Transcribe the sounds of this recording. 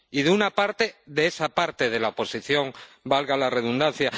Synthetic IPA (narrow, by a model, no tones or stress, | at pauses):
iðeunapaɾt̪e̞ðeesapaɾt̪e̞ð̞e̞laopo̞siθjo̞ŋ | balɣalare̞ðund̪anθja